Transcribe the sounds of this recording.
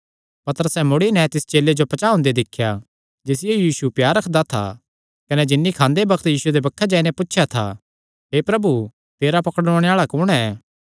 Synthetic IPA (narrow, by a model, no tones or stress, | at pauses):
pɐt̪əɾəsɛmʊɽinɛ̃t̪ɪst͡ʃeːled͡ʒopɐt͡ʃaːɦʊ̃nd̪ed̪ɪkʰːja | d͡ʒeːsɪjejiːsupjaːɾːɐkʰd̪at̪ʰa̰ | kɐnɛd͡ʒɪnːikʰãːnd̪ebɐkʰt̪jiːsued̪ebɐkʰːad͡ʒaːinepʊtːʃʰjat̪ʰa̰ | ɦeːpɾɐbu | t̪eːɾapɐkəɽɔːɽ̃eaːɭakʊɽ̃ɛː